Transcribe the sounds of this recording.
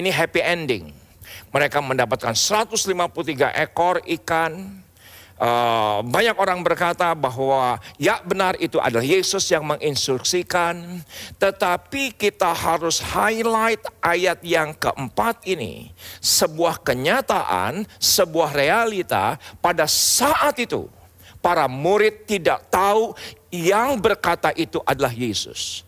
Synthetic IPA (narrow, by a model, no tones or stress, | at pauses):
iniɦɛpiɛndɪ̰ŋ | məɾekaməndapat̪̚kansəɾat̪ʊslimapulut̪̬iɡa̰ʔekɔrikan | əbaɲakoɾaŋbərkat̪abaɦwajaʔbənarit̪uʔa̰dalahjesʊsjaŋməŋʔinst̪ɾuksikant̪ət̪apikit̪ahaɾʊshajlajt̪̚ʔajat̪̚jaŋkə̰ʔəmpat̪̚inḭsəbuahkəɲat̪aʔa̰nsəbuahrealit̪a̰padassaʔat̪it̪ṵ | paɾamuɾɪt̪ːidaʔ̚t̪aujaŋbərkat̪aʔit̪uʔadalahjesʊ̰s